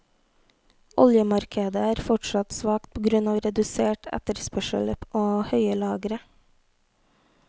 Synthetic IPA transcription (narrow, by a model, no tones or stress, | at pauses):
ʔɔ̰ljəmɑɾkʰəd̪əæːɾfɔʈʃɑt̪sʋɑːkt̪̚pʰoːɡɾʉnɑːʋɾɛd̪ʉseːʈʰæ̰t̪əɾspœʃə̰lʔoːhœʏəlɑːɡɾə